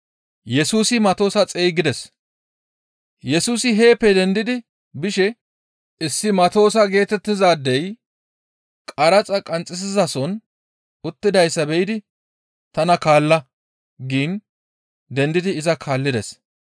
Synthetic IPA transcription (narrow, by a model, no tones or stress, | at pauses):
jɛsuːsɪmɐt̪o̞ːsɐt͡sʼeːjɡɪd̪ɛs | jɛsuːsɪɦe̞ːpːɛd̪ɛnd̪ɪd̪ɪ | bɪʃɛ | ʔɪsːɪmɐt̪o̞ːsɐɡe̞ːt̪ɛt̪ːɪzaːd̪ːɛj | kʼɐɾɐt͡sʼɐkʼɐnt͡sʼːɪs̬ɪzɐsɔn | ʊt̪ːɪd̪ɐjsːɐbɛɪd̪ɪ | t̪ɐnɐkaːlːɐ | ɡiːn | d̪ɛnd̪ɪd̪ɪɪzɐkʰaːlːɪd̪ɛs